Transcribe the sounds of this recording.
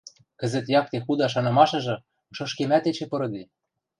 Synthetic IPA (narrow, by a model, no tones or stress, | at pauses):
kɘ̆zɘ̆t̪jɑk̚t̪exud̪ɑʃ̬ɑnɤ̆mɑʃɤ̆ʒɤ̆ | ʃɤ̆ʃkemæt̪et͡ɕepɤ̆ɾɤ̆d̪i